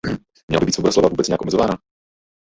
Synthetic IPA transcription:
mʲawabɘbɘt͡ɕʲt̪fɔbɔɾaswɔvavubɛt̪sɲɛjakɔmɛzɔvana

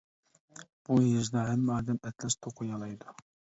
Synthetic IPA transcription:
b̥ujizd̪ɑɦɛmːɛɑːd̪ɛmɛt̪lɛst̪ʰoqʰʊjɑlˠɑjd̪u̥

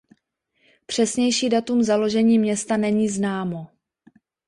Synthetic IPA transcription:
pr̝̥ɛsɲɛjʃiːdat̪umzalo̞ʒɛɲiːmɲɛst̪anɛɲiːznaːmo̞

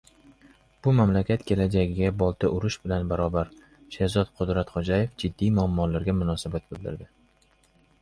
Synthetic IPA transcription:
b̥ʊmamlakʲat̪kʲʰe̞lad͡ʒaɡʲɪɡʲabɒlˠt̪ʰaʔʊɾʊʃbɪlanbaɾɒbaɾ | ʃezɒt̪qʰʊd̪ɾat̪χod͡ʒaje̞fd͡ʒɪd̪ːijmʊamːɒlaɾɡʲamʊnɒsabat̪̚bɪld̪ɪ̰ɾd̪ɪ

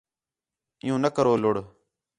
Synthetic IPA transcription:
ɪjũːnəkəɾoːlʊɽ

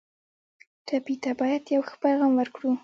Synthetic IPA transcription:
ʈapit̪abɑjad̪jawxə̥pajɣɑmwəɾkɽu

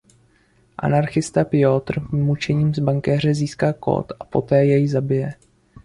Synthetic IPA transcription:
ʔa̰naɾxɪst̪apɪot̪rmut͡ʃɛɲiːmzbaŋkɛːr̝ɛziːskaːko̞̰ːt̪ʔapo̞t̪ɛːjɛjzabɪjɛ

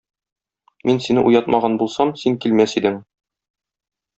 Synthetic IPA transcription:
minsinɘʔujɑt̪mʔɑʁɑnbulˠsɑmsiŋkilmæsid̪ɘŋ

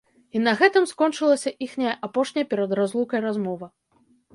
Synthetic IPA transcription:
inɐɣɛt̪ɨmskɔnt͡ʂɨlˠɐsʲɐʔixnʲɐjɐʔapɔʂnʲɐpʲɛɾɐd̪ɾazlˠukɐjɾazmɔvɐ

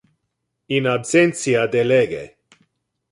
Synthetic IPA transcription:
inabsent̪siad̪eleɡḛ

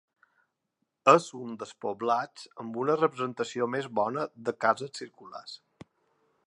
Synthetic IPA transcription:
əzund̪əspoβlat͡səmbunərəpɾəzənt̪əsiomezβɔnəðəkazəsːiɾkula̰s

